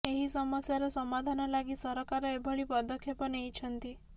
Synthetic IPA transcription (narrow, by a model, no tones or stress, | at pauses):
eɦisɔmɔsjaɾɔsɔmad̪ʱanɔlaɡisɔɾɔkaɾɔebʱɔɭipɔd̪ɔkʰːjepɔnejt͡ʃʰɔnt̪i